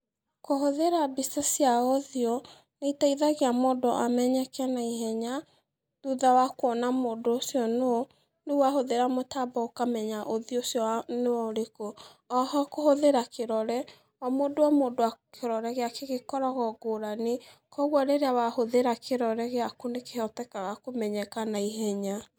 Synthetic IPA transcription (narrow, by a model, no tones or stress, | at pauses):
kohoðeɾabistasiaɔðiɔ | neitaiðaɣeamɔdɔʔamɛɲɛkanaiɦɛɲa | ðuðawakwɔnamoːdoosiɔno | newahoðeɾamotabɔokamɛɲaʔoðiosjɔnewɔɾeko | ɔɦakohoðeɾakeɾɔɾɛ | ɔmoːdoamoːdoakʰeɾɔɾɛɣeakeɣekɔɾɔɣɔɡoɾane | kɔɣwɔɾeɾeawahoðeɾakeɾɔɾɛɣeakonekehɔtɛkaɣakomɛɲɛkanaihɛɲa